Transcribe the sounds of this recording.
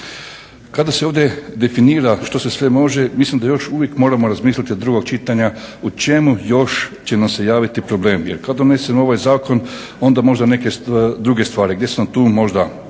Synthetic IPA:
kad̪aseoʋd̪ʲje̞d̪e̞finiːɾaʃt̪o̞se̞sʋe̞mo̞ʒe̞mislimd̪ajo̞ʃuʋjekmo̞ːɾamo̞ɾazmiːslʲit̪inad̪ɾuɡo̞ɡ̚t͡ʃit̪aɲaut͡ʃe̞mujo̞ʃt͡ɕe̞namse̞jaːʋit̪ipɾo̞ble̞ːmjḛɾkad̪d̪one̞semo̞ʋajzaːko̞n | o̞nd̪amo̞ʒd̪ane̞ke̞sd̪ɾuɡe̞st̪ʋaːɾiɡd̪ʲjesenamt̪uːmo̞ʒd̪a

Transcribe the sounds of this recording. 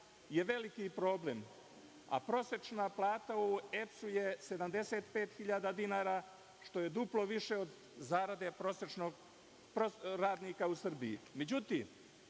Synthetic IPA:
je̞ʋe̞likipɾo̞ːblem | a̰pɾo̞se̞t͡ʃnaplˠaːt̪aue̞psujese̞d̪amd̪e̞set̪pe̞ːt̪xiʎaːd̪ad̪inaːɾaː | ʃt̪o̞jed̪uplˠo̞ʋiʃeod̪ | zaːɾad̪e̞pɾoset͡ʃnoɡ | pɾoɾaːd̪niːkausr̩bijḭmed͡ʑut̪iːm

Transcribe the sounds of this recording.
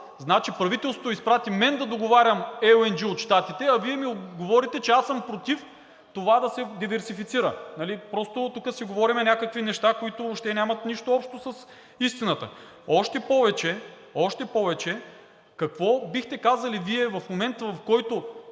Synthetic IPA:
znat͡ʃipɾɐvit̪ɛlˠst̪ot̪oispɾat̪imɛnd̪ɐd̪oɡovaɾʲɐmɛoɛnd͡ʒiot̪ʃt̪at̪it̪ɛɐviɛmioɡovɔɾit̪ɛt͡ʃɛasɐmpɾot̪if | t̪ovad̪ɐsɛd̪ivɛɾsifit̪siɾənɐlipɾɔst̪ot̪ukəsiɡovɔɾimɛnʲakəkvinɛʃt̪akoit̪ooʃt̪ɛnʲamɐt̪niʃt̪oɔpʃt̪osɐs | ist̪inət̪ə̰ | ɔʃt̪ɛpɔvɛt͡ʃɛ | ɔʃt̪ɛpɔvɛt͡ʃɛ | kɐkvɔbixt̪ɛkazɐliviɛvɐfmomɛnt̪vɐfkɔjt̪o

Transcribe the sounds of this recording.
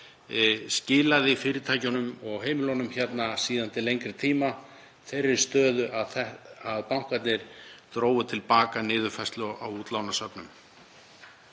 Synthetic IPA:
scɪːlaðɪfɪːɾɪt̪ʰaːjcʏnʏmɔɣɦeːjmɪlonʏmçɛt̪nasiːðant̪ɪlejŋkɾɪt̪ʰiːma | θerːɪɾ̥st̪œːðʏʔaðθɛaðpawŋ̥kat̪nɪɾ̥t̪ɾoːwvʏt̪ʰɪlpaːkanɪːðʏfajst̪lʏawuːt̪laːwnasœpnʏm

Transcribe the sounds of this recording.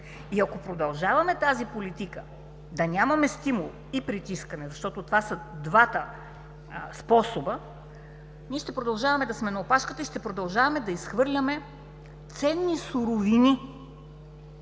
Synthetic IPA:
iɐkopɾod̪ɐlˠʒavɐmɛt̪azipolit̪ikə | d̪ɐnʲamɐmɛst̪imulˠ | ipɾit̪iskɐnɛzɐʃt̪ɔt̪ot̪vasɐd̪vat̪ə | spɔsobə | niɛʃt̪ɛpɾod̪ɐlˠʒavɐmɛd̪ɐsmɛnɐopaʃkət̪əiʃt̪ɛpɾod̪ɐlˠʒavɐmɛd̪ɐisxvɤɾlʲɐmɛ | t̪sɛnːisuɾovini

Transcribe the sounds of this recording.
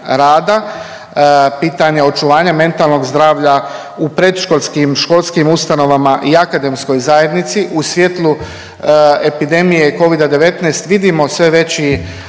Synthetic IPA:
ɾaːd̪a | piːt̪aɲeo̞t͡ʃuʋaːɲame̞nt̪alˠno̞ɡzd̪ɾaːʋʎa | upɾe̞d̪ʃkolskimʃko̞lˠskimust̪ano̞ʋamaʔiakad̪e̞msko̞jzaje̞d̪nit̪siʔusʋjet̪lˠu | e̞pid̪e̞mije̞ko̞ʋid̪ad̪e̞ʋe̞t̪nejst̪ʋid̪imo̞sʋe̞ʋe̞t͡ɕi

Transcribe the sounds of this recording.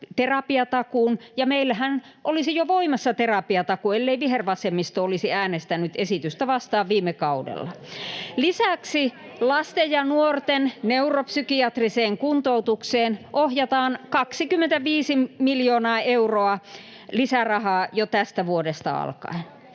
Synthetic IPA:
t̪erɑpiɑt̪ɑkuːnjɑmeilːæhæn | ʔolisijoʋoimɑsːɑt̪erɑpiɑt̪ɑkuelːeiʋiherʋɑsemːist̪oolisiæːnest̪ænˑyt̪esit̪yst̪æʋɑst̪ɑːʋʋiːmːekɑudḛlːɑ | lisæksi | lɑst̪ejjɑnuort̪enneuropsykiɑt̪riseːŋkunt̪out̪ukseːnʔohjɑt̪ɑːnkɑksikymːent̪æʋiːsimiljoːnɑːeuroɑ | lisærɑhɑːjot̪æst̪æʋuodest̪ɑ̰ɑ̰lkɑ̰in

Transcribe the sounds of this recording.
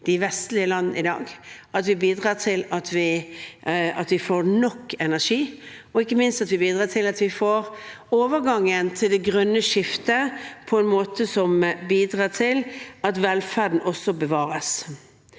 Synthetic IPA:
d̪̥ɪʋɛst̪lɪəlɑnnəɪd̪ɑ̰ːɡɑt̪ʋɪbiːd̪ʁɑːtʰɪlɑt̪ʰʋɪ | ɑt̪ʋɪfoːɾnɔkːɛnæʂiːɔɪkːəmɪnst̪ɑt̪ʋɪbiːd̪ʁɑːt̪ʰɪlɑt̪ʋɪfoːɾ | oːʋəɾɡɑŋːənt̪ʰɪld̪ɛɡɾœnːəʂɪft̪əpʰɔɛnmoːt̪əsɔmbiːd̪ɾɑːtʰɪlɑt̪ʋɛlfæd̪n̩ʔɔsːɔbəʋɑːɾəs

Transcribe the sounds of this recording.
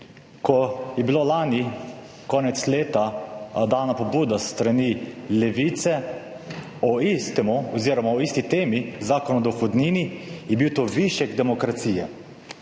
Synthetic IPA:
kɔjɛbilolaːni | kɔːnɛt̪sleːt̪ad̪aːnapɔbuːd̪ast̪ɾanilɛʋit̪sɛ | ɔist̪ɛmuɔziːɾɔmawist̪it̪eːmizaːkɔnɔd̪ɔxɔd̪niːnijɛbiwt̪oʋiʃjɛɡd̪ɛmɔkɾat̪siːjɛ

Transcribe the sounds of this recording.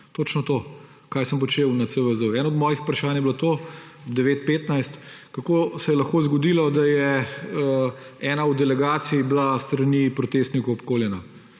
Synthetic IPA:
t̪oːt͡ʃnɔt̪oː | kaːjsəmpɔt͡ʃewnasəʋəzuɛːnaɔd̪mɔjixu̥pɾaʃaːnjɛblat̪o | ɔbd̪ɛʋeːt̪̚peːt̪najst̪ | kakosɛjɛlɐxkoːzɡɔd̪ilɔd̪ajɛəɛːnaud̪ɛlɛɡaːt̪sijiblast̪ɾɐnipɾɔt̪eːst̪nikɔɔpkoːljɛna

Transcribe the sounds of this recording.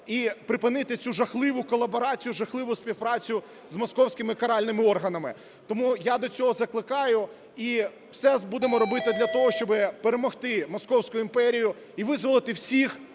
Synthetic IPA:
ipɾɪpɪnɪt̪ɪt͡sʲuʒɐxlˠɪʋʊkɔlˠːɐbɔɾɑt͡sʲijʊʒɐxlˠɪʋʊsʲpʲiwpɾɑt͡sʲjʊ | zmɔskɔwsʲkɪmɪkɐɾɑlʲnɪmɪɔrɦɐnɐmɪ | t̪ɔmujad̪ɔt͡sʲɔɦɔzɐklˠɪkɑjʊ | i | wsɛbud̪emɔɾɔbɪt̪ɪd̪lʲɐt̪ɔɦɔʃt͡ʃɔbɪpeɾemɔxt̪ɪmɔskɔwsʲkʊjʊimpɛɾʲijʊ | iʋɪzʋɔlˠɪt̪ɪwsʲix

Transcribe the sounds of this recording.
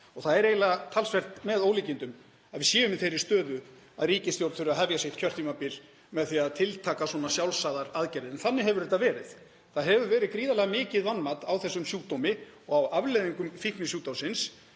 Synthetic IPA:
ɔɣθaðɛɾeːjlat̪ʰalsvɛr̥t̪mɛðoːwliːcɪnt̪ʏm | aðvɪsjɛːvʏmɪθejɾɪ̥st̪œːðʏ | aðɾiːcɪsθjowɾθʏɾʏaɦɛvjasjeht̪̚cʰœr̥t̪ʰiːmapɪl | mɛðθiaðt̪ʰɪlt̪ʰaːkaswɔnasjawlsaːðaɾaðcɛjɾɪðɛnθanːɪɦɛvʏɾɛt̪avɛːɾɪð | θaðɦɛvʏɾvɛːɾɪkɾiːðalɛɣamɪːcɪðvanmat̪awθɛsːʏmsjuːt̪ɔmɪ | ɔɣawʔavleðiŋkʏmfihknɪsjuːt̪awsɪns

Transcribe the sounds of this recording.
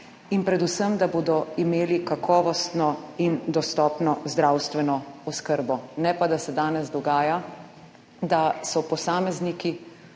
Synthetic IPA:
inpɾɛd̪usəmd̪aboːd̪ɔimeːlikakʰɔːʋɔst̪nɔind̪ɔst̪ɔːpnɔzd̪ɾawst̪ʋɛnɔɔskəɾbɔnɛpad̪asɛd̪aːnɛzd̪ɔɡaːja | d̪asɔpɔsaːmɛzniki

